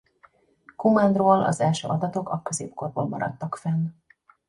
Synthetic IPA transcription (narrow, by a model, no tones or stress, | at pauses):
kumand̪roːlɒ̰zɛlʃø̰ːʔɒd̪ɒt̪o̞kɒkøzeːp̚korboːlmɒɾɒ̰t̪ːɒkfɛn